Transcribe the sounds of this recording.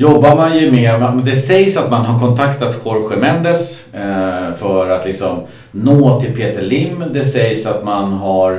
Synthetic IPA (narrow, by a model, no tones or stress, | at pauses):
jɔbːaɾmanjɵmeːɾmd̪ɛsɛjsat̪manɦaɾkʰɔnt̪ʰakt̪at̪kʰɔɾɧɛmɛnd̪əs | fœɾat̪lɪksɔm | noːt̪ʰɪlpʰeːt̪əɭɪmːd̪ɛsɛjsat̪manɦaɾ